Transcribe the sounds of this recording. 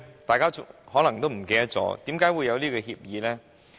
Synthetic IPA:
t̪aː˨jkaː˥ʊ˥hɔː˨˥lɐ˨˩ŋt̪o˥wm̩˨˩ke˧jɐ˥t͡sɔ̰ː˨˧˥t̪iː˨˥mkaː˨˥jwuː˨˧jːɐ˨˧wliː˥kɔː˧ɦiː˧p̚jiː˨˧lɛː˥

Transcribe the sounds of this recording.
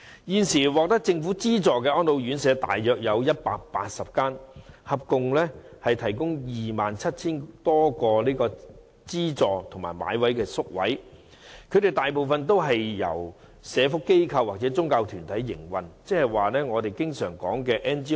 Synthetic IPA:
jiː˨˧nsiː˨˩wɔː˨k̚t̪ɐ˥k̚t͡sɪ˧ŋfuː˨˥t͡siː˥t͡sɔː˨kɛː˧ʔɔː˥nlo˨˧wjyː˨˥nsɛː˨˧t̪a̰ː˨jjœː˨k̚jɐ˨˧wjɐ˥t̚pa̰ː˧k̚paː˧t̚sɐ˨p̚kaː˥nhɐ˨p̚kʊ˨˧ŋlɛː˥hɐ˨jt̪ʰɐ˨˩jkʊ˥ŋjiː˨maː˨nt͡sʰɐ˥t̚t͡sʰiː˥nt̪ɔː˥kɔː˧liː˥kɔː˧ | t͡siː˥t͡sɔː˨˩t̪ʰʊ˨˩ŋma̰ː˨˩jma̰ː˨˧jwɐ˨˥jkɛː˧sʊ˥k̚wɐ̰˨˥j | kʰɵ˨˧˥jɾe˨˩jt̪aː˨jpo˨wfɐ˨nt̪̬o˥wɦɐ˨jːɐ̰˨˩w | sɛː˨˧fʊ˥kːe˥jkʰɐ˧wːaː˨k̚t͡sɛː˨˥t͡sʊ˥ŋkaː˧wt̪ʰyː˨˩nt̪ʰɐ˨˥jːɪ̰˨˩ŋwɐ˨nt͡sɛː˥hɐ˨jwaː˨lɛː˥ŋɔː˨˧t̪e˨jkɪ˥ŋsœː˨˩ŋkɔ̰ː˨˥ŋkɛː˧ʔɛː˥nt͡ʃiː˥

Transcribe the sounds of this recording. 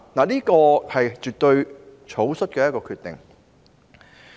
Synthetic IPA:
naː˨niː˥kɔː˧hɐ˨jt͡ʃyː˨˩t̚t̪ɵ˧ɥt͡ʃʰo˨˥wsɵ˥t̚kɛː˧jɐ˥tkɔː˧kʰyː˧t̪ɪ̰˨˩ŋ

